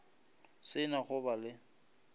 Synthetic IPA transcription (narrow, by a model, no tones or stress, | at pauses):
sɪnaχʊbalɪ